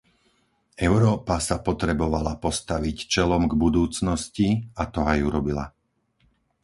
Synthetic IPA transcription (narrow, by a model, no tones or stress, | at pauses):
ɛʊɾɔːpasapɔt̪ɾɛbɔʋalapɔst̪aʋict͡ʃɛlɔmɡbud̪uːt͡snɔsciat̪ɔajuɾɔbila̰